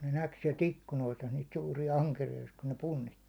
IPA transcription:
ne næk siɛlt ikːunoistɑ niːt suːrijɑ ɑŋkerijoist kun ne punːitːi

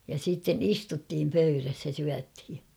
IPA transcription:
jɑ siːtːen istutːiːm pøyræs jɑ syæthi

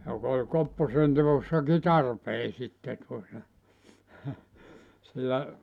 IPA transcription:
jok olʲ kopːosenteʋosːɑki tɑrpeː sitːe tuotɑ silːæ

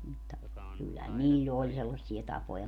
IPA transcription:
mutːɑ kylːæhæn niːlʲl olʲ selːɑsːie tɑpojɑ

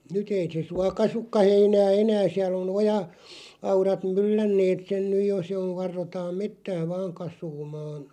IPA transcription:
nyt ei se suɑ kɑsukːɑ heinæː enæː siæl on ojɑ ɑurɑt mylːænːeːt sen nyj jo se oʋ̆ ʋɑrːotɑːm metːæː ʋɑːŋ kɑsˑuːmɑːn̞

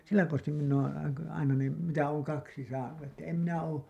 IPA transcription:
silːæ konstim minː oːn̞ ɑinɑ ne mitæ oːŋ kɑksi sɑːnu etːæ em minæ oː

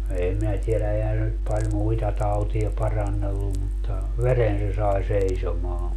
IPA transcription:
eːm minæ tielæ ehæn se nyt pɑlʲ muitɑ tɑutiɑ pɑrɑnːelːum mutːɑ ʋeren se sɑi seisomɑː

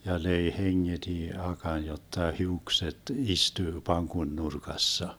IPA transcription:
jɑ løi heŋːed̥i ɑkɑn jotːɑ hiukset istyː pɑŋkon nurkɑsːɑ

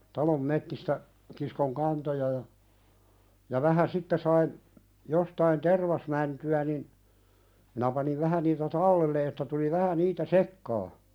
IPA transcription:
tɑlom metːistæ kiskoŋ kɑntojɑ jɑ jɑ ʋæhæ sitːe sɑin jostɑin terʋɑsmæntyæ nin minæ pɑniʋ ʋæhæ niːtæ tɑlːelːe etːæ tuli ʋæhæ niːtæ sekːɑː

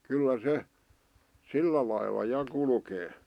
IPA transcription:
kylːæ se silːæ lɑilːɑ jɑ kulkeː

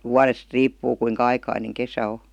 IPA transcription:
wuɑrest riːpːuː kuiŋkɑ ɑikɑineŋ kesæ o

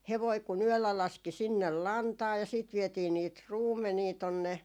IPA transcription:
heʋoi kun yølːæ lɑski sinːel lɑntɑː jɑ siːt ʋietiː niːt ruːmːeniː tonːe

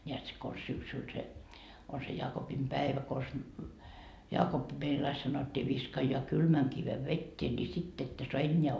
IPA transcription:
nʲeæt se kons syksyl se on se jɑːkopimpæeʋæ kons jɑːkopːi meil ɑi sɑnotːiː ʋiskɑjːŏɑ kylmæŋ kiʋe ʋetːeː nʲi sitː etːø soɑ enʲːeæ

